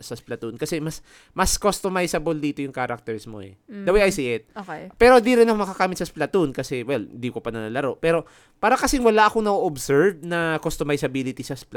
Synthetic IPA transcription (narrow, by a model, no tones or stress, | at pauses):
sɐsplɐt̪unkɐsɛmɐs | mɐskost̪omajsɐbold̪iːt̪o̞jʊŋkaːɾɐk̚t̪ɛɹsmo̞̰ʔɛ̰d̪ɐwajɐjsiʔɪt̪̚okpɛːɾod̪iɾɪnɐkomɐkɐkaːmɪt̪sɐsplɐt̪unkɐsɛwɛlɪnd̪ikopɐnɐnɐlɐɾo̞ʔpɛːɾo̞ | paːɾɐkɐsɪŋwɐlaʔɐkonɐʔoʔobsɛɹb̚nɐkost̪omajsɐbiːlɪt̪isɐspl